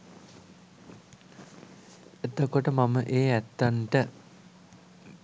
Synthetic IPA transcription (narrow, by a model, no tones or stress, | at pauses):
et̪okoʈəmaməʔeːæt̪ːaɳʈə